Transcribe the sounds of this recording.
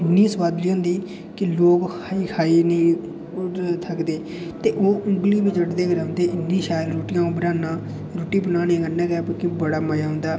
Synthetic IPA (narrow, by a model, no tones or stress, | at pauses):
ɪnːĩːsəʋaːd̪liːʊ̃nd̪iː | kɪloːkː | iːkʰaːiːnĩː | t̪ʰəkd̪eː | t̪eːʔoːʊ̃ŋɡliːbit͡ʃəʈd̪eːkəɾ̃ʊ̃nd̪eːʔɪnːĩːʃaːjəlɾoːʈɪjãːũbəɾaːnãː | ɾoːʈiːbənaːnẽːkənːɛ̃ːkɛːpəkɪbəɽaːmaːjaːɦʊ̃nd̪aː